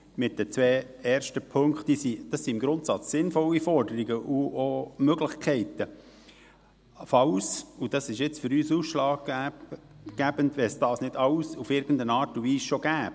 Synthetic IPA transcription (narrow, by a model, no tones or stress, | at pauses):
mɪt̚d̥ɛt͡sʋɛː | ɛːɾʃtəpʰøŋktd̥iːsid̥ɑsːiɪmɡɾʊntsɑt͡sːɪnfɔwifɔɾdəɾiɡəʔuomøɡlɪχkʰɛɪtə | fɑwsud̥ɑsɪʃɪt͡sfʏɾyːsuːsʃlɑːɡ | ɡ̥æbəntʋɛsd̥ɑːsnɪdɑwsufɪɾɡ̥ən̩dənɑːɾtunviːsʃoɡ̥æːp̚